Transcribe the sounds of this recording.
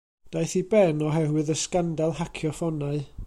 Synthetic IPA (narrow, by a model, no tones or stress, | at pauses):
d̥ajθibɛnɔɦɛwɨðəskandalˠhakʰjɔfɔnaɨ